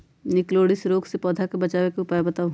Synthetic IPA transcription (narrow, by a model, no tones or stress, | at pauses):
nɪkloːɽɪsɾoːɡsepɔːd̪ʱakebɐt͡ʃaːʋekeʊpaːjebɐt̪aːɦ